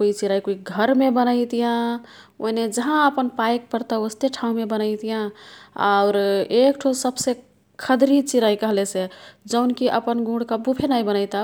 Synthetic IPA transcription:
koit͡ʃiɾaikoiɡʱəɾmebənəɪt̪ijã | o̰ned͡ʒəɦãəpənpajk̚pəɾt̪aost̪eʈʰãũmebənəɪt̪ijãa̰ʊɾekʈʰosəbse | kʰəd̪ɾit͡ʃiɾaikəɦlesed͡ʒəʊnkiʔə̰pənɡũɽkabupʰenajbənəɪt̪a

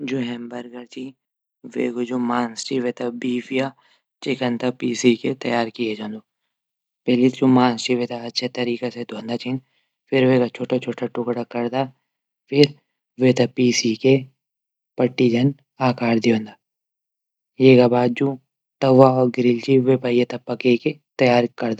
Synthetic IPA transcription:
d͡ʒuːɦɛ̃ːmbɐɾɡəɾt͡ʃi | ʋḛɡod͡ʒumaːnst͡ʃiʋeːt̪abiːfija | t͡ʃɪkənt̪apiːsiket̪ɐjaːɾkijed͡ʒãːnd̪o | pɛːlit̪d͡ʒũmãːnst͡ʃiʋeːt̪aɐtːʃʰet̪ɐɾiːkesed̪ʱõːnd̪at͡ʃʰin | fɪɾʋekat͡ʃʰoːʈat͡ʃʰoːʈʰaʈʊkɽakɐɾd̪a | fʰɪɾ | ʋet̪ɐpiːsike | pɐʈːid͡ʒɐn | aːkaːɾd̪iõːnd̪a | jeːɡabaːd̪̚d͡ʒũ | t̪ɐʋaɔːɾɡɪɾɪlt͡ʃiʋepajet̪ɐpːɐkeket̪ɐjaːɾkɐɾd̪a

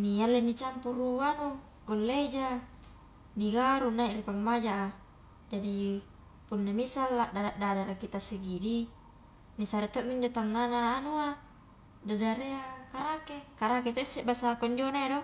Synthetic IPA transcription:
nialːenit͡ʃampuɾuwanu | ɡolːed͡ʒa | niɡaɾunaiʔɾipamːad͡ʒaʔa | d͡ʒadi | punːamisalːadadaʔdadaɾakit̪asiɡidi | nisaɾet̪oʔmindet̪aŋːanaːnua | dadaɾeakaɾakekaɾaket̪oisːeʔbasakoɲd͡ʒonaedo

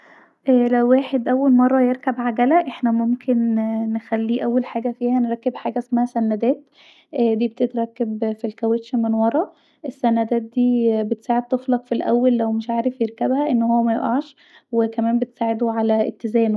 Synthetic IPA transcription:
ʔæːlæwːeːħed̪ʔæwːælmɑrˤːɑjeɾkæbʕaɡælæʔeħnæmomkʰenːexælːiːʔæwːælħaːɡæfiːhænɾˤɑkːebħaːɡæʔsmæhæsænːæd̪æːt̪ | ʔd̪iːbet̪et̪ɾˤɑkːebfilkæwet̪ʃmenwɑɾˤɑ | ʔesːænːæd̪æːt̪̚d̪iːbet̪saːʕed̪̚t̪eflɑqfilʔæ̰wːælːæwmeʃʕaːɾefjeɾkæbhæʔenːhowːæmæjḛʔɑʕʃ | wekæmæːmbet̪saːʕed̪oʕalæḛt̪ːezæːn

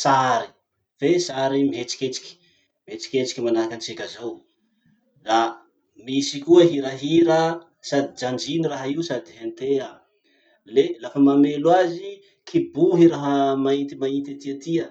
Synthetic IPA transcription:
saɾi | fesaɾimiɦet͡si̥kʲet͡si̥kʲi̥ | miet͡si̥kʲet͡si̥kʲimanaɾakant͡sekʲazaw | ra | misikuəɦiɾəɦiɾə | sad̪id͡ʒand͡ʒiniraɦaiusad̪iɦent̪ea | lelafəmamelwazi | kʰibuɦiɾaɦəmaint̪imaint̪at̪iət̪iə

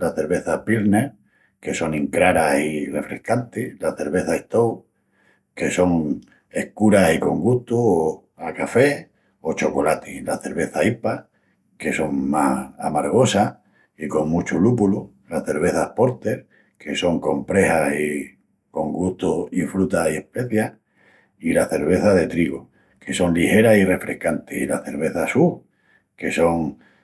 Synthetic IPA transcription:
laθe̞ɾβe̞θapiɾne | ke̞so̞ŋĩŋkɾaɾasire̞fɾehkant̪ilaθe̞ɾβe̞θaeht̪ow | ke̞so̞ŋ | e̞hkuɾasiko̞ŋɡuht̪uo | akafe̞ | o̞t͡ʃo̞ko̞lat̪ilaθe̞ɾβe̞θaipa | ke̞so̞ŋmahamaɾɣ̞o̞sa | iko̞ŋmut͡ʃulupulu | laθe̞ɾβ̞e̞θapo̞ɾt̪e̞ɾ | ke̞so̞ŋko̞mpɾe̞hasi | ko̞ŋɡuht̪uifɾut̪aiehpe̞θja | ilaθe̞ɾβ̞e̞θaðe̞t̪ɾiɣo | ke̞so̞ŋlihe̞ɾasire̞fɾʔe̞hkant̪ehilaθe̞ɾβe̞θasu | ke̞so̞ŋ

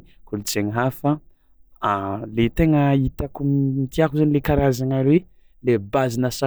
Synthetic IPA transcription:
kulut͡seŋəɦafa | let̪eŋəit̪akumit̪iakuzanilekaɾazaŋalwe | lebazinəsa

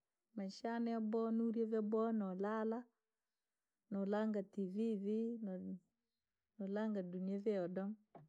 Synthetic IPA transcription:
maʃanɛabɔnuɾjɛvɛbɔnɔlala | nɔlaŋɡativivin | nɔlaŋɡaduniɛvɛɔdɔm

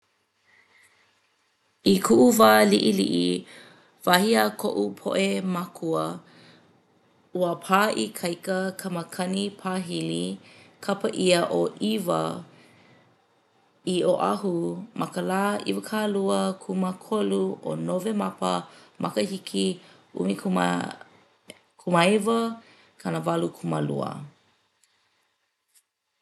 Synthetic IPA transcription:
ikʰuʔuvaːliʔilḭʔḭ | vahiakʰo̰ʔupʰo̰ʔemakʰuə | uəpʰaːʔikʰɐjkəkʰɐməkʰɐnipʰaɦilikʰɐpəʔiəʔoʔivə̰ | iʔoʔaɦumʔɐkəlaːʔḭvəkʰaːluəkʰuməkʰoluʔo̰novemɐpə̰mʔɐ̰kəhikʰi | ṵmik | kʰuməevə | kʰɐnəvalukʰumə̰lṵə̰

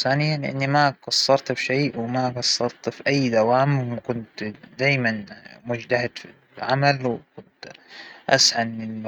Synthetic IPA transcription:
saːnɪjːanʔɪ̰nːimakɑsˤːɑɾˤt̪bʃeːʔwmaɡɑsˤːɑɾˤt̪fiʔajːd̪awaːmwkʊnt̪d̪aːjmanmʊd͡ʒt̪ahɪd̪fi | ʕamalwkʊnt̪ʔa̰shanɪn

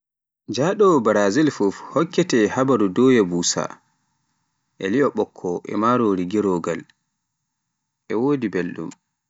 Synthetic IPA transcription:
d͡ʒaːɗɔbaɾazilfufhɔkːɛtɛhabaɾudɔːjɛbuːsa̰ | ʔɛ̰liɔɓɔkʰːɔʔɛ̰maɾoːɾiɡiɾɔɡal | ʔɛwoːdibelɗṵm

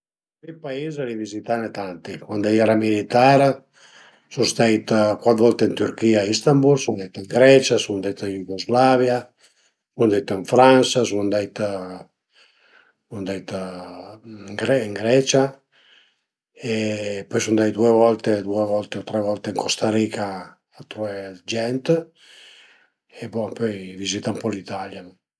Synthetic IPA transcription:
pipaiːzalivizit̪anet̪ant̪ikwand̪ejɛɾamilit̪aɾ | sunst̪ajt̪kwat̪vɔlt̪eint̪yɾkiːaist̪ambulsund̪ɛjt̪iŋɡɾɛt͡ʃasund̪ɛt̪injuɡozlavja | sund̪ɛjt̪iɱfɾansasuand̪ɛjt̪ | und̪ɛjt̪ | ŋɡɾɛiŋɡɾɛt͡ʃa | epɔjsund̪ɛjd̪uevɔlt̪ed̪uevɔlt̪eot̪ɾɛvɔlt̪eiŋkost̪aɾikaː | t̪ɾued͡ʒɛnt̪ | epɔpøjvizit̪aumpɔlit̪aljan

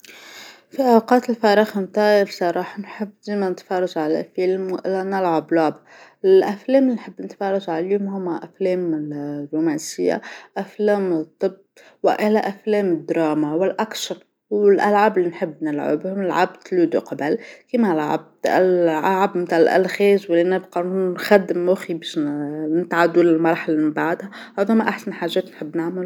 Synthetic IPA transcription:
fiʔawqɑːt̪ɪlfɑːɾˤɑxmt̪ɑːjɪfsˤɑɾˤɑːħɑnħɪbːd̪eːmanɪt̪fɑɾˤɑʒʕala̰lfilmʔɪlːanɪlʕablʊbɪlʔafleːmɪlinħɪbːnɪt̪fɑːɾˤɑʒʕaliːʊmɦʊmːaʔafleːmɪrːuːmæːnsɪjːa̰ʔafleːmt̪ˤːɨb | wɪ̰ʔɪlæʔæflɛːmɪd̪ːɾˤɑːmawɪlʔakʃɑɾ | wɪlʔalʕaːbɪlːinħɪbːnɪlʕɪ̰bhʊmlʕa̰bd̪lud̪ṵqɑbalkimalʕa̰b̚d̪lʕalʕabmt̪aʕɪlʔæ̰lxɛːzwɪlːinæbqɑnunxæd̪ːɪmːʊxibɛʃnɪt̪ʕad̪ulɪlmɑɾˤħalamɪmbaʕd̪ha | ʕʊðʊmːaʔaħsanħaːʒːɛːt̪nħɪbːnɪʕmɪl

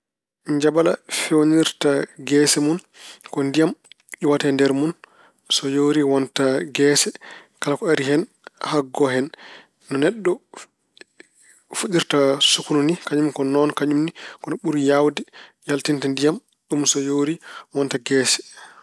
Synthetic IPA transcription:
ɲd͡ʒabala̰fewniɾtaɡɛːsɛmun | kɔndijam | ɗiwatɛndɛɾmun | sɔjoɾiwɔntaɡɛːsɛkalakɔaɾihɛn | haɡːɔɦɛnː | ɔnɛɗːɔ | fuɗiɾtasukununikaɲumkɔnɔnkaɲumnikɔnɔɓuɾjawdɛ | jaltintandijam | ɗumsɔjoɾiwɔntaɡɛːsɛ̥

